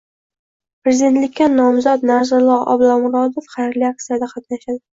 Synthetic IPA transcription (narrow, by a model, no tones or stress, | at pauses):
pɾezid̪e̞nt̪lɪkʲːanɒmzɒt̪naɾzʊlˠɒʔɒ̰blˠɒwmʊɾɒd̪ɪfχɑjɾliak̚t̪ijad̪aqʰɑt̪naʃad̪ɪ